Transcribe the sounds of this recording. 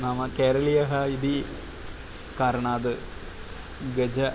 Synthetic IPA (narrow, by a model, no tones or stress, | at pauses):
naːmɐkeːɾɐɭijɐɦɐid̪i | kaːɾɐɳaːd̪ɨ | ɡɐd͡ʑɐ